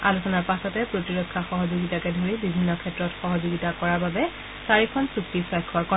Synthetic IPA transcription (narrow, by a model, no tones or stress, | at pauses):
alusɔnaɹpasɔtɛpɹotiɹɔkʰːaxɔɦɔzoɡitakɛdʱoɹibibʱinːɔkʰɛtɹɔtxɔɦɔzoɡitakɔɹaɹbabɛ | saɹikʰɔnsuk̚tipʰɔjkʰːɔɹkɔ